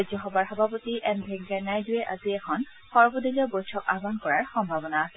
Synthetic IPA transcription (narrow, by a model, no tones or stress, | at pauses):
zɔxɔbaɹxɔbʱapotiɛnbʱɛŋɡɛnajdujɛʔa̰ziɛkʰɔn | xɔɹbodiliɔbojtʰɔka̰bʱankɔɹaɹxɔmbʱabɔnaːsɛ